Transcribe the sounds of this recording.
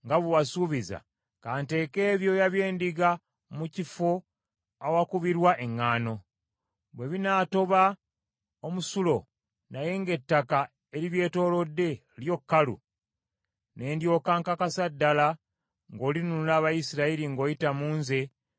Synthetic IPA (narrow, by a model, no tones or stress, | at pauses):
ŋɡaβuwasuβiza̰ | kaːnte̞ːke̞ːβjo̞jaβjeːndiɡa | mucifo̞ | awakuβiɾwaʔe̞ŋːaːno̞ | βwe̞βinaːto̞βa | omusulo̞ | naje̞ŋɡe̞tːaka | eɾiβje̞ːto̞ːlo̞dːe̞ | ljo̞kːalṵ | ne̞ːndjo̞ːkaŋkakasadːala | ŋɡo̞ːlinunulaːβajisiɾaiɾiŋɡo̞ːjitamuːnze̞